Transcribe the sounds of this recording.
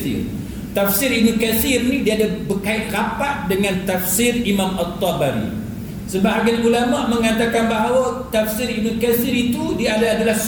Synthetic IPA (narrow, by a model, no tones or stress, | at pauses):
ḭr | t̪afsɪɾinukasirnidiadabərkaɪt̪̚kapat̚dəŋant̪afsɪrimamɔt̪ːɔbaɾḭ | səbaɦaɡanulamaməŋat̪akanbaɦawat̪afsiɾinukasiɾit̪udiadaadalahs